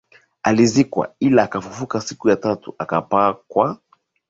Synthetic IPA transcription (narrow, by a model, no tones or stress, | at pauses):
alizikwa̰ilaːkafufukasikujatatuʔakapakwa